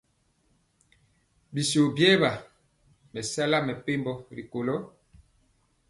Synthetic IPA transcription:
bi˨so˨bjɛː˦ba˨ | mɛ˨sa˦la˦mɛ˨pe˦mbɔ˦ɾi˨ko˨lɔ˦

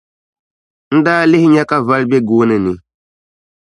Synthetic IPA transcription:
n̩˦daː˦lɪ˦hɪ˦ɲa˦ka˦va˦lbɛ˦ɡoː˦nɛ˨nɪ˨

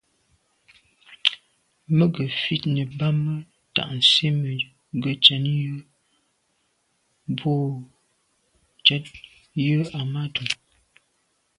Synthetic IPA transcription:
mə˦ɡə˨fi˦tnə˨ba˦mə˦ | ta̰˨ʔn̩˨si˦mə˨ | ɡə˨t͡ʃɛ˨˦njə˦ | bo˦ | t͡ʃə˦t̚ | jə˦a˨ma˦tʰu˨ŋ

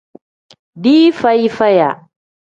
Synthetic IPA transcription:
diː˦fɐ˦jfɐ˦ja˨

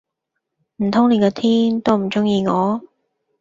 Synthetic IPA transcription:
m̩˨˩t̪ʰʊ˥ŋne˨˧kɔː˧t̪ʰiː˥nt̪o˥wm̩˨˩t͡sʊ˥ŋjiː˧ŋɔː˨˧

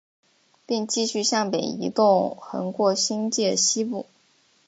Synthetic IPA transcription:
pi˥˧ŋt͡ɕi˥˧ɕy˥˧ɕjɑ˥˩ŋpe˨˩ɪḭ˧˥t̪ʊ˥˧ŋxə̰˧˥nkwɔ˥˩ɕi˥ŋt͡ɕi˥˩d̪ə˩ɕi˥pu˥˩

